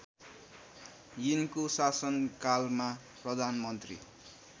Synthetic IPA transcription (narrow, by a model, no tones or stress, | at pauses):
jinkosasʌnkalma | prʌd̪ʱanmʌnt̪rḭ